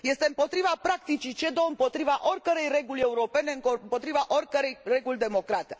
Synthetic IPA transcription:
je̞st̪e̞ɨmpo̞t̪ɾivapɾakt̪it͡ʃit͡ʃe̞d̪o̞ɨmpo̞t̪ɾivaʔo̞rʲkəɾe̞jre̞ɡulʲe̞uɾo̞pe̞ne̞ɨŋkompo̞t̪ɾivaʔo̞rʲkəɾe̞jre̞ɡulʲd̪e̞mo̞kɾat̪e̥

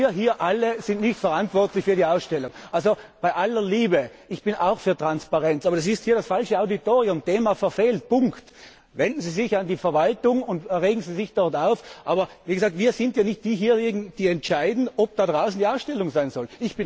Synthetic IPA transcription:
ɐɦiːɐʔaləzɪntnɪçtfɛɐʁantv̥ɔɐtlɪçfyːɐɾiːaʊsʃtɛlʊŋʔalzob̥aɪʔalɐliːbəɪçb̥ɪna̰ʊxfyːɐtʁ̥anspaʁɛnt͡sʔaːbɐdas̬ɪsthiːɐdasfalʃəaʊditoːʁiʊmteːmafɛɐfeːlt̚pʊŋkt | vɛndn̩ziːzɪçandiːfɐvaltʊŋʊntʁeːɡŋ̩ziːzɪçd̥ɔɐtaʊfʔaːbɐviːɡəzaːk̚tv̥iːɐzɪntjaːnɪçt̚d̥iːɦiːɐjiɡŋ̩d̥iːɛntt͡ʃaɪdn̩ɔp̚d̥adʁaʊsn̩diːaʊsʃtɛlʊŋzaɪnzɔlɪçb̥ɪn

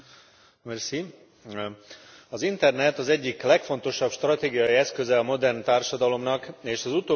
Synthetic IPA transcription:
mɛrsi | ɒzint̪ɛrnɛt̪ɒzɛɟːiklɛkfo̞n̪t̪o̞ʃɒpʃt̪rɒt̪eːɡijɒjiɛskøzɛɒmo̞d̪ɛrnt̪aːrʃɒd̪ɒlo̞mnɒkeːʃɒzut̪oː

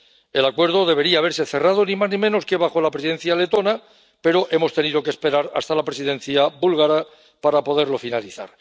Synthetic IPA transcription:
e̞lakwe̞ɾð̞o̞ðe̞β̞e̞ɾiaːβe̞ɾse̞θe̞rað̞o̞nĩmaznĩmẽ̞no̞ske̞βaxo̞lapɾesiðe̞n̟θjale̞t̪o̞na | pe̞ɾo̞ʔe̞mo̞st̪e̞niðo̞kespe̞ɾaɾa̰st̪alapɾesiðe̞n̟θjabulɣaɾa | paɾapo̞ðe̞ɾlo̞finaliθa̰ɾ

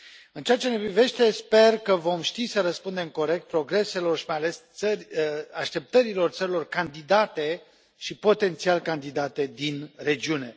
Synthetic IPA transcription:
ɨnt͡ʃeat͡ʃe̞nepɾive̞ʃt̪e̞spe̞rkəvo̞mʃt̪isəɾəspund̪e̞mko̞ɾe̞k̚t̪̚pɾo̞ɡɾe̞se̞lo̞rʃi̥majale̞st̪sərʲəaʃt̪e̞p̚t̪əɾilo̞rt̪səɾilo̞rkand̪id̪at̪e̞ | ʃipo̞t̪e̞nt̪sialkand̪id̪at̪e̞d̪inre̞d͡ʒiune̞

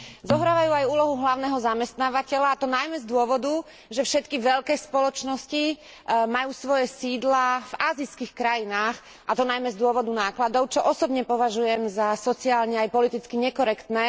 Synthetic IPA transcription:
zɔɦɾaːʋajuːajuːlɔɦuɦlaʊnɛːɦɔzamɛst̪naːʋacɛʎaːt̪ɔnajmɛzd̪ʊɔʋɔd̪u | ʒɛfʃɛt̪kiʋɛʎkɛːspɔlɔt͡ʃnɔsci | majuːsʋɔjɛsiːd̪lavaːziskixkɾajinaːx | ʔat̪ɔnajmɛzd̪ʊɔʋɔd̪unaːklad̪ɔʊt͡ʃɔʔɔsɔbɲɛpɔʋaʒujɛmzasɔt͡siaːlɲɛajpɔlit̪it͡skiɲɛkɔɾɛkt̪nɛː

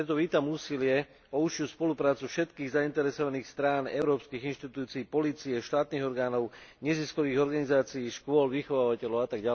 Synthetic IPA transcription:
ɾɛt̪ɔʋiːt̪amuːsilɪɛ | ɔuʃɪuspɔlupɾaːt͡sufʃɛt̪kiːɣzaint̪ɛɾɛsɔʋaniːxst̪ɾaːnɛʊɾɔːpskiːɣinʃt̪it̪uːt͡siːpɔliːt͡siɛʃt̪aːt̪niːɣɔɾɡaːnɔʊɲɛziskɔʋiːɣɔɾɡanizaːt͡siːʃkʊɔlʋixɔʋaːʋacɛlɔʊat̪aɡɟa

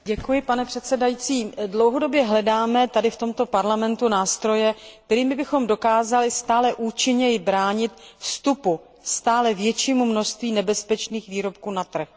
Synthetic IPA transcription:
ɟɛkujɪpanɛpr̥ɛt̪sɛdajit͡siːdlowɦo̞do̞bjɛɦlɛdaːmɛt̪adɪft̪o̞mt̪o̞paɾlamɛnt̪unaːst̪ɾo̞jɛk̚t̪ɛɾiːmɪbɪxo̞mdo̞kaːzalɪst̪aːlɛʔuːt͡ʃɪɲɛjɪbɾaːɲɪt̪fst̪upu | st̪aːlɛvjɛt͡ʃiːmumno̞ʃst̪viːnɛbɛspɛt͡ʃniːxviːɾo̞p̚kuːnat̪r̩x

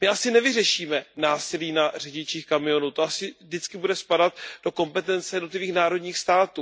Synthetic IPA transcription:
mɪʔasɪnɛvɪrɛʃiːmɛnaːsɪliːnar̝ɛɟɪt͡ʃiːxkamɪo̞nuːt̪oasɪvdɪt͡skɪbudɛspadat̪̚d̥o̞ko̞mpɛt̪ɛnt͡sɛjɛdnot̪lɪviːxnaːɾo̞dɲiːxst̪aːt̪uː

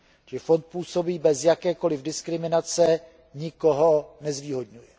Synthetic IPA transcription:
ʒɛfont̪̚puːso̞biːbɛzjakɛːko̞lɪvdɪskɾɪmɪnat͡sɛ | ɲɪkoɦonɛzviːɦo̞dɲujɛ

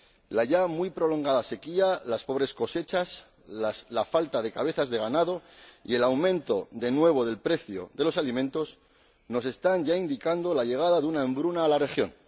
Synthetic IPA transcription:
laʝamujpɾo̞lo̞ŋɡaðase̞kialaspo̞β̞ɾe̞sko̞se̞t͡ʃas | aslafalt̪aðe̞kaβ̞e̞θazðe̞ɣanaðo̞ḭe̞lawmẽnt̪o̞ðe̞nwe̞β̞o̞ð̞e̞lpɾe̞θjo̰ðe̞lo̞salimẽ̞nt̪o̞s | no̞se̞st̪anʝaind̪ikand̪o̞laʝe̞ɣ̞aðaðunaẽmbɾunaːlare̞xjo̞̰n

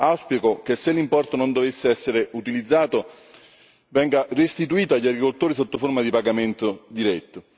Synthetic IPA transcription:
awspjikokesːelːimpɔrt̪onond̪ovesːeɛsːeɾeut̪ilid̪zːaːt̪o | vɛŋɡarest̪it̪uiːt̪aʎːaɡɾikolt̪oːɾis̬ot̪ːoformad̪ipaɡament̪od̪iɾɛt̪ːo

